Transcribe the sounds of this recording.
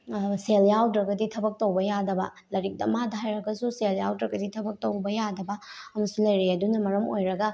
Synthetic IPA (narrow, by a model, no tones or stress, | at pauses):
seljawdɾɐɡɐditʰɐbɐk̚towbɐjadɐbɐ | lɐɾik̚dɐmadɐɦajɾɐɡɐsuseljawdɾɐɡɐditʰɐbɐk̚towbɐjadɐbɐɐmɐsulɐjɾiɐdunɐmɐɾɐmojɾɐɡɐ